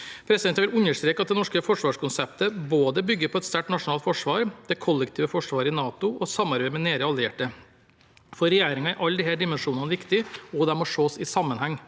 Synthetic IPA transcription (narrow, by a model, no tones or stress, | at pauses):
pʰɾɛsɪd̪ɛnt̪ːʋɪlʉnːəʂt̪ɾeːkɑt̪̚d̪ɛnɔʂkəfɔʂʋɑːʂkʰʊnsɛpt̪əboːd̪əbʏɡːəɾpʰɔɛt̪st̪æʈnɑʂʊnɑːlt̪fɔʂʋɑːɾd̪̥ɛkʰɔlːɛkt̪ʰiːʋəfɔʂʋɑːɾəɪnɑːt̪ʊɔsɑmːɑɾbeɪmɛneːɾəɑlɪeːʈə | fɔɾɛjeːɾɪŋɑɪʔɑlːd̪ɪhæːɖɪmɛnʂuːnɑnəʋɪkt̪ɪɔd̪ɛmɔʂoːsɪsɑmːənhɛŋː